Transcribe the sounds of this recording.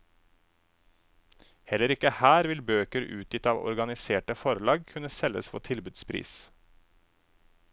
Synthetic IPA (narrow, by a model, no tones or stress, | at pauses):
hɛləɾɪkəhæːɾʋɪlbøːkəɾʉ̰ːt̪jɪt̪ɑːʋɔ̰ɾɡɑnɪseːʈəfɔɾlɑːɡkʰʉnəsɛlə̰sfɔ̰t̪ʰɪlbʉːd̪spʰɾḭːs